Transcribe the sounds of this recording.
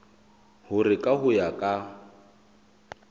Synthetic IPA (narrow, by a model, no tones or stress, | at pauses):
hʊɾɪkʼaɦʊjakʼa